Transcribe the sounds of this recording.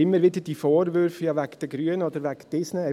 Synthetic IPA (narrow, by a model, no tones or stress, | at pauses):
ɪmːəɾʋɪdəd̥ifoːɾvʏɾfjɑʋækd̥əɡɾyənɔdəɾʋækd̥ɪsne